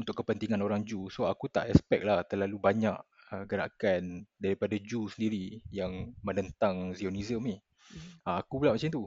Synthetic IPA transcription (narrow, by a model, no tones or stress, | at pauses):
unt̪ʊkːəpənt̪iŋanoɾaŋd͡ʒusoakut̪a̰ʔɛspɛk̚laht̪ərlalubaɲaʔ | əɡəɾa̰kandaɾipadad͡ʒusəndiɾijaŋmə̃nənt̪aŋzioniziəmi | aakupulaʔmat͡ʃɛmnt̪u